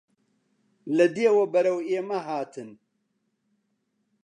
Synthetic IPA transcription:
lɐd̪eːwɐbɐɾɐweːmɐɦaːt̪ʰɨn

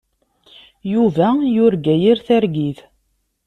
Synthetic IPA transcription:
juvæjʊɾɡæjiɾθæɾɡiθ

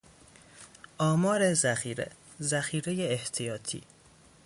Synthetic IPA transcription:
ʔɒːmɒːɾezæxiːɾḛ | zæxiːɾejeːht̪ʰijɒːt̪ʰḭː

